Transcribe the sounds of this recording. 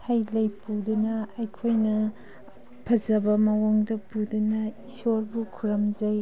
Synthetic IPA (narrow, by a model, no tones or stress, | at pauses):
hajlɐjpudunɐɐjkʰojnɐ | pʰɐzɐbɐmɐwoŋdɐpudunɐisoɾbukʰuɾɐmzɐj